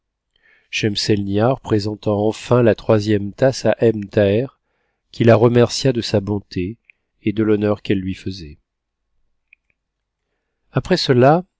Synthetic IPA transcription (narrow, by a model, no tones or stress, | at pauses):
ʃɛmsɛlnjaʁpχezɑ̃t̪ɑ̃ɑ̃fɛ̃lat̪χwazjɛmt̪asaʔɛmt̪ɛʁ | kʲilaʁəmɛʁsjad̪əsabɔ̃t̪ʰeː | d̪əlɔnœʁkɛlːɥifəzɛ | apχɛsəla